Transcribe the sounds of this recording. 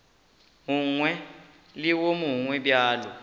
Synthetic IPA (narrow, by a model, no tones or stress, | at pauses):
muŋwɛ | liwomuŋwɛɓjaːlɔ